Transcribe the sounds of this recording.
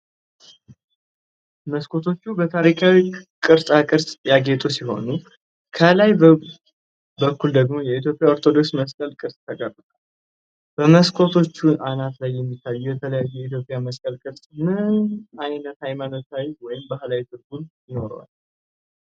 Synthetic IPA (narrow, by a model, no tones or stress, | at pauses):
məskʰʼo̞t̪ʰo̞t͡ʃːubət̪ʰaɾikʰawikʼɨɾsʼakʼɨɾsʼjaɡe̞t̪ʼosiɦo̞̰nu | kʰəlaj | bəkʰːuld̪əɡmo̞jɛit̪jo̞pʼjao̞ɾt̪ʰo̞d̪o̞ksməskʼəlkʼɨɾsʼt̪ʰəɡʼərɨt̪ʼal | b̥əməskʰo̞t̪ʰo̞t͡ʃːuanat̪lajːɛmːit̪ʰːajːujɛt̪ʰələjajːujɛit̪̬ʰjo̞pʼjaməskʼəlkʼɨɾsʼmɨnajnːət̪hajmano̞t̪ʰawizwɔjɪmbahlawit̪ʰʼɨɾɡunjɪno̞ɾwa̰l